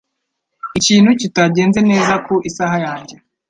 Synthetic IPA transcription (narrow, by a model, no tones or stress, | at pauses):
iciːn̥hucitaɟe̞ːnzene̞ːzakuʔisahajaːɲɟe